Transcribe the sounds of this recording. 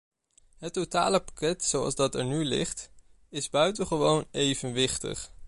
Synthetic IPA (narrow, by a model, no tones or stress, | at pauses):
ɦətːota̰ːləpḁkɛtsowɑ̰lˠzdɑtɛ̰ɹnylɪ̰χt | ɪzbœɥtənχəʋownejvənʋɪχtə̰χ